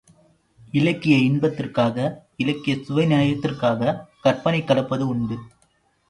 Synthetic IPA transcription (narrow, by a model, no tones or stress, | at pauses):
ɪlɐkːɪjɐɪɳbɐt̪ːɪrkaːɣɐ | ɪlɐkːɪjɐsʊʋɐɪnɪjaːjɐt̪ːɪrkaːɣɐkɐrpɐnɐɪkːɐɽɐpːɐðɯʊɳɖɯ